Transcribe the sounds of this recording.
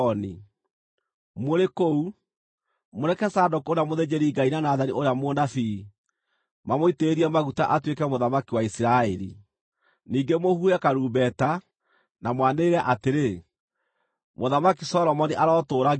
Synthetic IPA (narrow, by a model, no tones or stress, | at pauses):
ɔni | moɾekou | moɾɛkɛsaːdokoɾeamoðed͡ʑeɾiɡainanaːðaniʔoɾeamonafi | mamoiteːɾiɛmaɣuta̰ʔatwekɛmoðamakiwaisiɾaɛɾḭ | niːɡemohuɛkaɾuːbɛta | namwaneɾɛʔateɾe | moðamakisɔɾɔmɔniʔaɾɔtoːɾa